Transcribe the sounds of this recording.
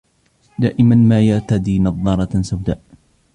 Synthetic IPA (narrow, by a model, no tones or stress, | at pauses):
d̪aːʔɪmanmaːjaʕt̪ad̪iːnɑðˤːɑɾˤɑsawd̪aːʔ